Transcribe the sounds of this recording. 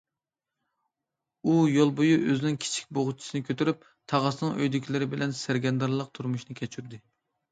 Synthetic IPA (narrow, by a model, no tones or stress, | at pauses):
ujolˠbojuʔøzɪnɪŋkʲʰi̥t͡ʃʰi̥k̚ʲboʁʊt͡ʃʰi̥sɨnɨkʲʰøt̪yɾyp̚ | t̪ʰɑʁɑsɨnɨŋøjd̪ɪkʲʰilɪɾɪbɪlɛnsɪɾɡʲɛnd̪ɑɾlˠəq̚t̪ʰuɾmuʃnɨkʲʰɛt͡ʃʰyɾd̪ɪ